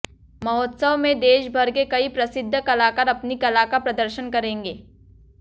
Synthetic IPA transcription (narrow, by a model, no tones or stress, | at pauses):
mɐɦɔːt̪səʋmẽd̪eːʃbʱɐɾkekɐipɾɐsɪd̪ʱːəkɐlaːkəɾɐpnikɐlakapɾɐd̪əɾʃənkɐɾẽːŋɡeː